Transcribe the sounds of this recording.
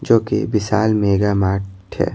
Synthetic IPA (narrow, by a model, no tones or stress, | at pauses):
d͡ʒoːkebɪsaːlmeːɡaːmaːɾɛ̰ː